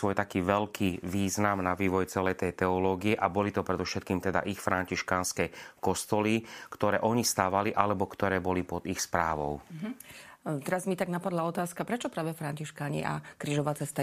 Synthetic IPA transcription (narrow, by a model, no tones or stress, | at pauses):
sʋɔjt̪akiːʋɛlkʰiʋiːznamnaʋiːʋɔjt͡sɛlɛjt̪ɛjt̪ɛɔlɔːɡiɛʔabɔlit̪ɔpɾɛd̪ɔfʃɛt̪̚kiːmt̪ɛd̪a̰ʔixfɾaɲciʃkaːnskɛkɔst̪ɔlikt̪ɔɾɛːʔɔɲist̪aːʋaliʔalɛbɔkt̪ɔɾɛːbɔlipɔd̪ixspɾa̰ːʋɔ̰ʊ | t̪ɛɾazmit̪aɡnapad̪laɔt̪aːskapɾɛt͡ʃɔpɾaːʋɛfɾaɲciʃkaːɲḭʔa̰kɾiːʒɔʋaːt͡sɛst̪a